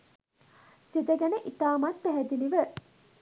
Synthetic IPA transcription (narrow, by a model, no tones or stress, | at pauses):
sid̪əɡænəʔit̪aːmat̪̚pæɦɛd̪iliʋə